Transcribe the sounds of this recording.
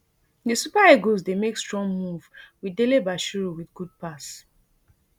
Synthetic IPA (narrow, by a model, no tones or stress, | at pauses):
disupaeɡozdemekstɹ̥ɔ̃ŋɡmuvwidelebaʃuɹowiθɡud̚pas